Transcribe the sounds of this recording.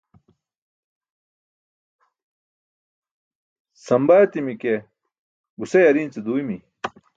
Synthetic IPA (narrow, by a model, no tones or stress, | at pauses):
sɐmbajɐt̪imike | ɡusejɐɾiːnt͡sed̪uːimi